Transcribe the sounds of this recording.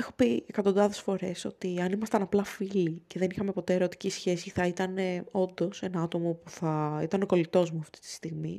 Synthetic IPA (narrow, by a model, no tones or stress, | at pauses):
exopiekɐt̪o̞nd̪ɐðe̞sfo̞ɾe̞so̞̰t̪iɐnimɐst̪ɐnɐplɐfilice̞ðe̞nixɐme̞po̞t̪e̞eɾo̞t̪i̥cisçe̞siθɐit̪ɐne̞o̞nd̪o̞se̞nɐɐt̪o̞mo̞puθɐit̪ɐno̞ko̞lit̪o̞zmuɐft̪i̥t̪i̥st̪iɣmḭ